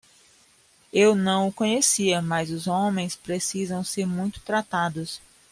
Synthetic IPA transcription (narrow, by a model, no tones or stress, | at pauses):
ewnɐ̃w̃ʊkõɲesiɐmɐzʊzõmẽj̃spɾesizɐ̃w̃seɾmũj̃t̪ʊ̥t̪ɾat̪ad̪ʊs